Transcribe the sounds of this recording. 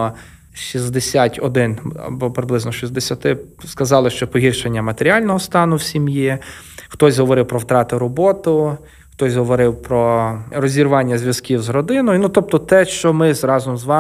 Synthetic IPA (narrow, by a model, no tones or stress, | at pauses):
ʃizd̪esʲatʲɔd̪ɪnɐ̰bɔpɾeblˠɪznɔʃizd̪esʲɐt̪ɪskɐzɑlˠɪʃt͡ʃɔpɔɦʲirʃenʲːɐmɐt̪eɾʲiɑlʲnɔɦɔst̪ɑnʊwsʲimji | xt̪ɔsʲɦɔʋɔɾɪwpɾɔwt̪ɾɑt̪ɪɾɔbɔt̪ʊ | xt̪ɔsʲɦɔʋɔɾɪwpɾɔrɔzʲirʋɑnʲːɐzʲʋʲjɐzkʲiwzrɔd̪ɪnɔjʊnut̪ɔp̚t̪ɔt̪ɛʃt͡ʃɔmɪzɾɑzɔmzʋɑ